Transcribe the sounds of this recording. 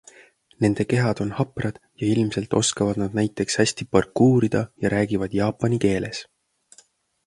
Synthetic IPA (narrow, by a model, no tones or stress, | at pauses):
ne̞nd̪̥e̞ke̞ɦɑd̪̥o̞nhɑprɑd̪̥jɑilmse̞lt̪ˑo̞skɑvɑd̪̥nɑd̪̥̚næjt̪ːˑe̞kshæsʲt̪ipɑrkːuːɾid̪̥ɑjɑɾæːɡ̥ivɑd̪̥jɑːpːˑɑnike̞ːle̞̰s